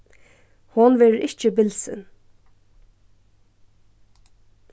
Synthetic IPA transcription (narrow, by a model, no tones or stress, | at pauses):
hɔnʋɛːɾəɾʔɪht͡ʃɪbɪlsɪ̰n